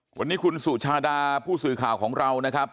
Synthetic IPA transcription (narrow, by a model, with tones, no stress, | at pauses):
wa˧nːiː˦˥kʰu˧nsu˨˩t͡ɕʰaː˧daː˧pʰuː˥˩sɯː˨˩kʰaː˨˩wkʰɔː˩˦ŋɾa˧wna˦˥kʰɾa˦˥p̚